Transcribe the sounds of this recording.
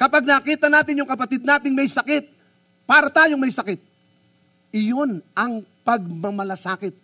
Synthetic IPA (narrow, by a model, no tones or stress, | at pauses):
kɐpaɡ̚nɐkiːt̪ɐnaːt̪ɪnjʊŋkɐpɐt̪ɪd̪naːt̪ɪŋmɐjsɐkɪt̪̚ | paːɾɐt̪aːjoŋmɐjsɐkɪt̪̚ | ɪjo̞nʔɐŋpɐɡ̚mɐmɐlɐsaːkɪt̪̚